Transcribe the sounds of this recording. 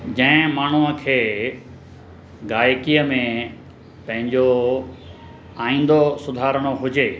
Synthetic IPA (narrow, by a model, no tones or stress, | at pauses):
d͡ʑɐ̃ɦɪ̃maːɳ̤uəkʰeː | ɡaːjkiəmẽ | pɐ̃ɦɪ̃ɲd͡ʑo | aːĩːn̆d̪osʊd̪ʱaːɾəɽ̃oɦʊd͡ʑeː